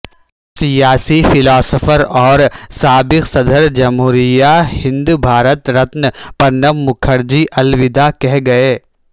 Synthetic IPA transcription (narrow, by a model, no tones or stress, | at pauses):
sijaːsifʰɪlaːsəfəɾɔːɾsaːbɪqsɐd̪ʱəɾd͡ʒɐmɦuːɾijahɪ̃nd̪ubʱaːɾət̪ɾɐt̪npɐɾnɐmmːʊkʰəɾd͡ʒiʔɐlʋɪd̪akɛɦɡɐeː